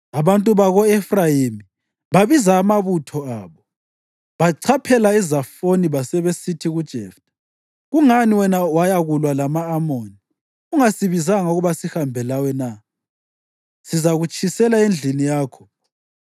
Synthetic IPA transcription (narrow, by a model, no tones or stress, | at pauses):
aβantʼuβaɣɔɛfrajimi | βaβizaːmaβutʰɔaːβɔ | βaǀʰapʰɛlaizafoniβasɛβesitʰiɣud̥ʒ̥ʱɛftʰʼḁ | ɣuŋaniwɛnawajaɣulwalamaːmoni | uŋasiβizaŋauɣuβasihambʱɛlawɛna | sizaɣut͡ʃʰʼisɛlaend͡ɮʱinijaːkʰɔ̥